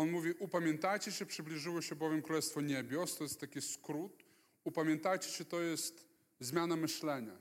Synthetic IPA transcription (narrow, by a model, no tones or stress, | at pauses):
ɔnmuvʲiʔupamʲjɛnt̪ajt͡ɕɛɕɛpʂɘblʲiʐɘwɔɕɛbɔvʲjɛmkɾulɛst̪fɔɲebʲjɔst̪ɔjɛst̪ːakʲiskɾut̪ | upamʲjɛnt̪ajt͡ɕɛ̥ɕɛt̪ɔjɛst̪ | zmʲjanamɘɕlɛɲa